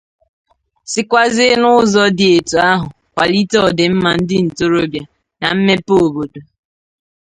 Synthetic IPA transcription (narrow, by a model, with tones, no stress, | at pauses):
sɪ˦kʷa˦zɪ˦nʊ˦zɔ˦dɪ˨e˨tu˨a˦ɦʊ˨ | kʷa˨li˦tɔ˦˨dɪ˨m̩˦ma˨n̩˦dɪ˦n̩˨to˦ɾo˦bja˨ | na˨m̩˦me˦po˨bo˨do˨